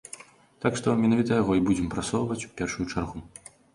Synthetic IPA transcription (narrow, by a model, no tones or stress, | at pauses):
t̪akʂt̪ɔmʲɛnavʲit̪ɐjaɣɔibud͡zʲɛmpɾasɔwvɐt͡sʲu̥pʲɛrʂujut͡ʂarɣu